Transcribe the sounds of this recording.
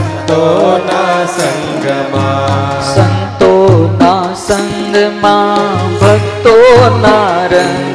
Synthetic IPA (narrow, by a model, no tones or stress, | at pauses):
t̪onasɐŋ | ɡma | sɐ̃nt̪oːnasɐ̃ŋ | ɡmãːbʱɐɡt̪oːnaːɾə